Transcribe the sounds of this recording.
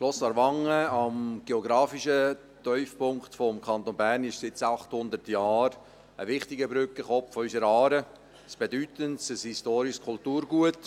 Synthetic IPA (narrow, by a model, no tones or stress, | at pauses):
klɔslɑɾʋɑŋəɑmɡ̥eɔɡɾɑːfiʃə | t̪œʏfpʊŋktfɔmkʰɑnt̪onbærnɪʃsɪt͡sɑχt̪hʊnd̪ərtjɑːɾ | əʋɪχtɪɡəbɾʏkːəχɔpffɔysəɾɑːɾə | sb̥edyt̪əntsəshistoːɾiʃskʰʊltuːɾɡuət